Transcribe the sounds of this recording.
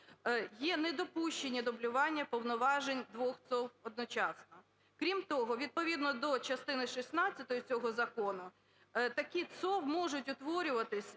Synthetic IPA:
jɛnɛd̪ɔpuʃt͡ʃenʲːɐd̪ɔblʲʊʋɑnʲːɐpɔwnɔʋɑʒenʲd̪ʋɔxt̪sɔwɔd̪̚nɔt͡ʃɑsnɔ | kɾʲimt̪ɔɦɔʋʲid̪̚pɔʋʲid̪nɔd̪ɔt͡ʃɐst̪ɪnɪʃisnɑt͡sʲːɐt̪ɔjɔt͡sʲɔɦɔzɐkɔnʊ | t̪ɐkʲit̪sɔwmɔʒʊtʲʊt̪ʋɔɾʲʊʋɐt̪ɪsʲ

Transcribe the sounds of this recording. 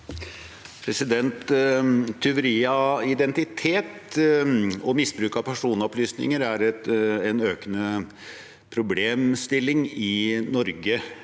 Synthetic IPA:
pʰɾɛsɪd̪ɛnt̪ʰː | ʏʋəɾiːɑɪd̪ɛnt̪ɪt̪ʰeːt̪ | ɔmɪsbɾʉːkɑʋpʰæʂuːnɔplyːsnɪ̰ŋəɾæɾɛt̪ɛnøːkənə | pʰɾʊbleːmst̪ɪlːɪŋɪnɔɾɡə

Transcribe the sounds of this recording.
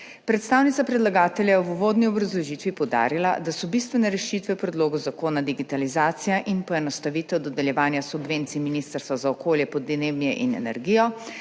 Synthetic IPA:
pɾɛt̪st̪aːwnit̪sapɾɛd̪laɡaːt̪ɛljajuʋoːd̪niɔbɾazlɔʒiːt̪ʋipɔwd̪a̰ːɾila̰d̪asɔbist̪ʋɛnɛɾɛʃit̪ʋɛpɾɛd̪loːɡɔzakoːnad̪iɡit̪alizaːt̪sijaʔinpɔɛnɔst̪aʋiːt̪ɛwd̪ɔd̪ɛljɛʋaːnjasubʋeːnt̪siminist̪əɾst̪ʋazaɔkoːljɛpɔd̪neːwnijɛʔinɛ̰nɛ̰ɾɡijɔ

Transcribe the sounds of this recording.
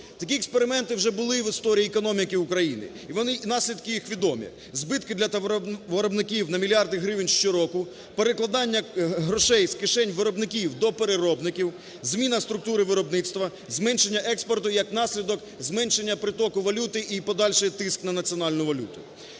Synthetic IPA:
t̪ɐkʲiekspeɾɪmɛnt̪ɪwʒɛbʊlˠɪʋɪst̪ɔɾʲiːekɔnɔmʲikɪʊkɾɐjinɪ̰ | iʋɔnɪnɑsʲlʲid̪kɪjixʋʲid̪ɔmʲḭ | zbɪt̪kɪd̪lʲɐtʋɐɾɔbnɪkʲiwnɐmʲilʲɑrd̪ɪɦɾɪʋnʲʃt͡ʃɔɾɔkʊ | peɾeklˠɐd̪ɑnʲːɐɦɾɔʃɛjskɪʃɛnʲʋɪɾɔbnɪkʲiwd̪ɔpeɾɪɾɔbnɪkʲiw | zmʲinɐst̪ɾʊk̚t̪uɾɪʋɪɾɔbnɪt̪st̪ʋɐ | zmɛnʃe̞nʲːɐʔɛkspɔrt̪ʊjɐknɑsʲlʲid̪ɔk | zmɛnʃe̞nʲːɐpɾɪt̪ɔkʊʋɐlʲut̪ɪʔipɔd̪ɑlʲʃɪt̪ɪsknɐnɐt͡sʲiɔnɑlʲnʊʋɐlʲṵt̪ʊ̰

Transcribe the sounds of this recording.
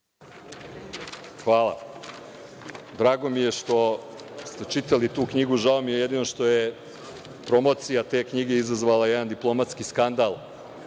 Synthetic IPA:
xʋaːlˠa̰ | d̪ɾaːɡo̞mije̞ʃt̪o̞ | st̪e̞t͡ʃit̪alit̪uːkɲiɡuʒaomijejed̪ino̞ʃt̪o̞je | pɾo̞mo̞t̪sijat̪e̞ːkɲiɡe̞izazʋalajed̪and̪iplˠo̞mat̪skiskand̪alˠ

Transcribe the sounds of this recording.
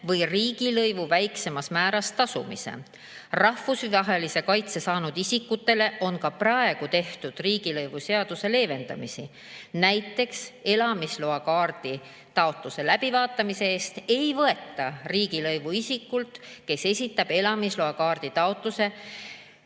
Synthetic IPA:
vɤjriːɡ̥ilɤjvuvæjkse̞mɑsmæːɾɑst̪ɑsumḭsḛ | rɑhvusɑɦelise̞kɑjt̪se̞sɑːnud̪̥isikːut̪ːˑe̞le̞ʔo̞nkɑprɑe̞ɡ̥ut̪e̞ht̪ud̪̥riːɡ̥ilɤjvuse̞ɑd̪̥use̞le̞ːve̞nd̪̥ɑ̰misi | næjt̪ːˑe̞kse̞lɑmisloɑkɑːrd̪̥i | t̪ɑo̞t̪ˑluse̞læb̥ivɑːt̪ːˑɑmise̞eːst̪e̞jvɤe̞t̪ːɑriːɡ̥ilɤjvuisikːult̪ke̞se̞sʲit̪ːˑɑb̥e̞lɑmisloɑkɑːrd̪̥it̪ɑot̪ˑluse̞

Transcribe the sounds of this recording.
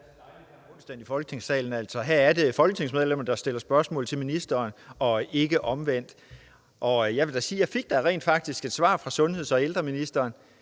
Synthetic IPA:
ɔnsd̥ænifɒ̽lɡ̥ə̥t͡sʰe̝ŋ̰sɛ̰ːln̩æl̰sɒ̽ɦæɐ̰æɐde̝fɒ̽lɡ̥ət͡sʰe̝ŋsmeð̞ˠlem̰ɐd̥ɑ̈sd̥e̝l̰ɐsb̥ɶɐsmɔ̰̽ːl̩ˠt͡sʰe̝lminisd̥ɐːnɒ̽e̝ɡ̥əʔɒ̽mʋen̰d̥ | ʔɒ̽jɑ̈ɪʋe̝d̥æsiːjɑ̈ɪfe̝ɡ̥̚d̥æʁɛ̰ːnd̥fɑ̈ɡ̥̚d̥isɡ̥e̝d̥sʋɑ̰̈ːfʁɑ̈sɔ̽nhe̝ð̰ˠɒ̽eld̥ʁɐminisd̥ɐːn

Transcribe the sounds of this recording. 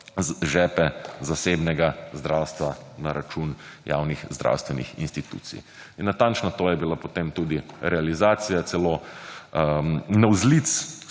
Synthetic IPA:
ʒɛːpɛzasebnɛɡazd̪ɾawst̪ʋanaɾat͡ʃunja̰ːwnixzd̪ɾʔa̰wst̪ʋɛnḭxḭnst̪it̪ṵːt̪sḭ | inːat̪ant͡ʃnat̪oːjɛbilapot̪emt̪uːd̪iɾɛalizaːt̪sijat̪sɛloː | nawzlit̪s

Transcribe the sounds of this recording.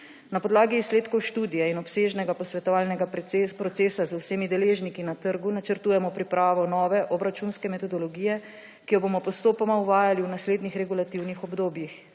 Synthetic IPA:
napɔd̪laːɡiːsleːt̪kɔwʃt̪uːd̪ijɛinɔpseːʒnɛɡapɔsʋɛt̪ɔʋaːlnɛɡapɾɔt̪seːsazawsemid̪ɛleːʒnikinat̪əɾɡunat͡ʃəɾt̪uːjɛmɔpɾipɾaːʋɔnɔːʋɛʔɔbɾat͡ʃunskɛmɛt̪ɔd̪ɔlɔɡijɛ | kijɔbomɔpɔst̪oːpɔmauʋaːjaliwnasleːd̪nixɾɛɡulat̪iwnixɔbd̪oːbjix

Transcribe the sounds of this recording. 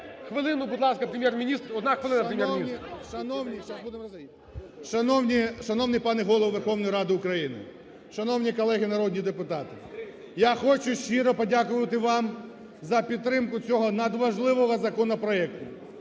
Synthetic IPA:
xʋɪlˠɪnʊbʊd̪lˠɑskɐpɾʲemʲjɛrmʲinʲist̪ɔd̪naxʋɪlˠɪnɐʃpɾemʲjɛɾiiɐnwnʲibd̪ | ʃɐnɔwnʲiʃɐnɔwnɪjpɑnɛɦɔlˠɔʋʋerxɔwnɔjɾɑd̪ɪʊkɾɐjinɪ̰ | ʃɐnɔwnʲikɔlˠɛɦɪnɐɾɔd̪ʲnʲid̪epʊt̪ɑt̪ɪ | jaxɔt͡ʃʊʃt͡ʃːiɾɔpɔdʲakʊʋɐt̪ɪʋɑm | zɐpʲid̪t̪ːɾɪmkʊt͡sʲɔɦɔnɐd̪ʋɐʒlˠɪʋɔɦɔzɐkɔnɔpɾɔɛkt̪ʊ

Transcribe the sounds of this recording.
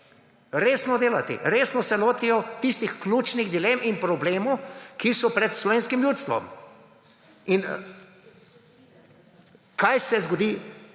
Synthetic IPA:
ɾeːsnɔd̪eːlat̪ḭɾeːsnɔsɛloːt̪ijɔt̪ist̪ixklʲuːt͡ʃniɣd̪ileːminpɾɔbleːmɔwkisɔpɾɛt̪slɔʋeːnskimjuːt̪st̪ʋɔ̰m | in | kaːjsɛzɡɔd̪iː

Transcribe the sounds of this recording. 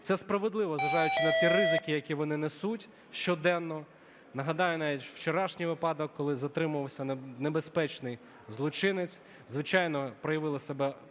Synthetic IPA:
t̪sɛspɾɐʋed̪lˠɪʋɔzɐd̪ɑjʊt͡ʃʲʋʲɛt̪irɪzɪkɪjɐkʲiʋɔnɪnesutʲ | ʃt͡ʃɔd̪ɛnːɔ | nɐɦɐd̪ɑjʊnɑʋʲitʲw̥t͡ʃɔɾɑʃnʲijʋɪpɑd̪ɔkːɔlˠɪzɐt̪ɾɪmʊʋɐwsʲɐnebespɛt͡ʃnɪj | zlˠɔt͡ʃɪnɪt͡sʲ | zʋɪt͡ʃɑjnɔpɾɔjɐʋɪlˠɪsebɛ

